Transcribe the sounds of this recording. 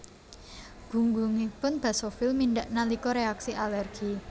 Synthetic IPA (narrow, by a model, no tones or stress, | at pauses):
ɡ̥ṳŋɡuŋipʊnb̥a̤sofilminɖaʔnalikɔɾeaksiʔalɛrɡ̥i